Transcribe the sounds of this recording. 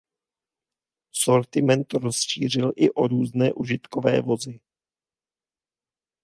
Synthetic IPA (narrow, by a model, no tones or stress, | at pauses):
so̞ɾt̪ɪmɛnt̪ɾo̞sʃiːr̝ɪlʔɪʔoɾuːznɛːʔuʒɪt̪kovɛ̰ːvo̞zɪ